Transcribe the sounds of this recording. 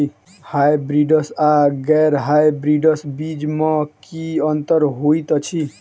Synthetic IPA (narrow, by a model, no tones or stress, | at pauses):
i | hajbɾiɖəsaɡɛɾɦajbɾiɖəsbid͡ʒmãkiənt̪əɾɦoit̪ɔt͡ʃʰi